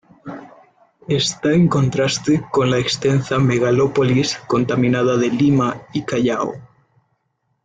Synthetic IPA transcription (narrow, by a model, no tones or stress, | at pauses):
est̪aeŋko̞nt̪ɾast̪eko̞nlaekst̪ensameɣalopolisko̞nt̪amĩnað̞aðelimaikaʎao̰